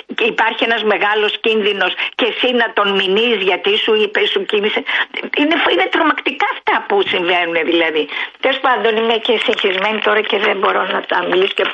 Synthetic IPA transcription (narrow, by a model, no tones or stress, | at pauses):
ipɐɾçienɐzmeɣɐlo̞scinðino̞sce̞sinɐt̪o̞nminizʝɐt̪isuipesucimiseinefine̞t̪ɾo̞mɐkt̪ikɐɐft̪ɐpusiɱve̞nune̞ðilɐðit̪elospɐnd̪o̞nimecesiçizme̞nit̪o̞ɾɐce̞ðembo̞ɾo̞nɐt̪ɐmiliso̥ce